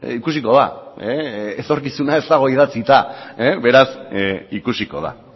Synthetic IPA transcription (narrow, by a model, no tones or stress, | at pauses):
ikus̬iko̞ð̞a̰eet̪o̞ɾkisunae̞zt̪aɣ̞o̞iðat͡sit̪aeβe̞ɾasikusiko̞̰ð̞a̰